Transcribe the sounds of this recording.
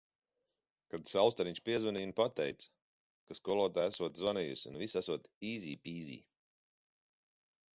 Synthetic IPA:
kad̪sawˠst̪aɾiɲt͡ʃpiɛzvɔniːnpat̪ɛjt̪s | kaskɔɔlˠɔt̪aːæsuɔt̪zɔnijṵsunvisæsuɔt̪iːzʲiːpiːzḭː

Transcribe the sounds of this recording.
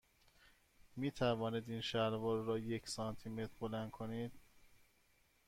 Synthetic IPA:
miːt̪ʰævɒːniːd̪iːnʃæɾvɒːɾːɒːjecʰsɒnt̪ʰime̞t̪ʰɾbolænd̪̥̚kʰoniːd̪̥

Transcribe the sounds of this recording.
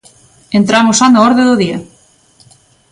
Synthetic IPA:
ent̪ɾamosanoɔɾðeðʊðiɐ

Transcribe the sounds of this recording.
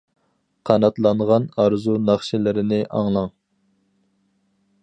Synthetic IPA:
qʰɑnɑt̪lˠɑɴʁɑnɑɾzunɑχʃɪlɪɾɪnɪʔɑŋlˠɑŋ

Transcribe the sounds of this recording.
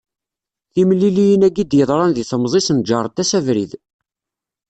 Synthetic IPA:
θimlːilijənæɡid̪jəðˤɾˤɑnðiθəmzˤisənd͡ʒɑɾˤt̪ːæsævɾḭð

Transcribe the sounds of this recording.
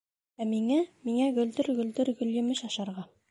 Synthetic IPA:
æmiŋæmiŋæɡɵ̆ld̪ɘɾɡɵ̆ld̪ɘɾɡɵ̆ljɵ̆mɘʃɑʃɑɾʁɑ

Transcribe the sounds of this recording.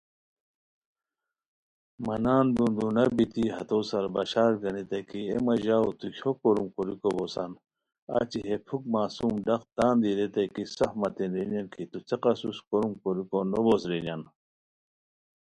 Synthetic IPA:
mɐnaːnd̪und̪unɐbit̪iɦɐ̰t̪oːsɐɾbɐɕaːɾɡɐnit̪ɐkiemɐʑaːwt̪ukʰokoɾumkuɾikobosɐn | a̰ːt͡ɕiɦepʰuk̚maːsumɖɐqt̪aːnd̪iɾet̪ɐkisɐfmɐt̪inɾinɐnkʰit̪ut͡seqɐsuskoɾumkoɾikonobosɾinjɐn

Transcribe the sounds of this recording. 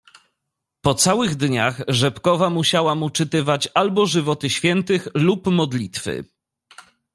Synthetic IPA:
pɔt̪sawɘɣd̪ɲaxʐɛpkɔvamuɕawamut͡ʂɘt̪ɘvat͡ɕalbɔʐɘvɔt̪ɘɕfʲjɛnt̪ɘxlupmɔd̪lʲit̪fɘ̰

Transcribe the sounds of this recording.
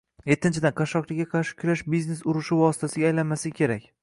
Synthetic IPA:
je̞t̪ʰːɪnt͡ʃʰɪd̪anqʰɑʃɒqlaɡʲaqʰɑɾʃɪ̥kʲʰʊɾaʃbizne̞sʊɾɪʃɪvɒsɪ̥t̪ʰasɪɡʲajlanmasɪkʲʰe̞ɾakʲ

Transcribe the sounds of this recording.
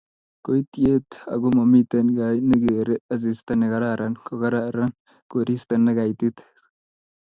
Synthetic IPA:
kɔjt̪ːɪjeːt̪ɐ̰ɡʊmɐmːit̪ːɐnɡajnːɛɡeːɾɛɐzist̪ɐnːɛɡɐɾaɾɐnkɔɡɐɾaɐɾɐn | ɡ̥oɾist̪ɐnːɐɡajt̪ːɪt̪

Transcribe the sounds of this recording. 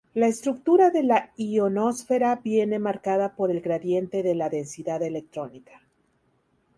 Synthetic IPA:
lae̞st̪ɾuk̚t̪uɾaðe̞laiono̞sfe̞ɾabje̞ne̞maɾkaðapo̞ɾe̞lɣɾaðje̞nt̪e̞ðe̞laðe̞nsiðaðe̞le̞k̚t̪ɾo̞nikḁ

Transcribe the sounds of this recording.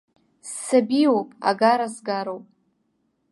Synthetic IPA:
sːabiwopʼa̰ɡaɾazɡaɾowpʼ

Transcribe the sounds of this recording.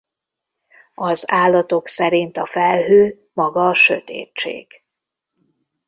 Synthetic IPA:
ɒzaːlːɒt̪o̞ksɛɾint̪ɒfɛlɦøː | mɒɡɒːʃøt̪ḛːt͡ʃːḛːɡ̥

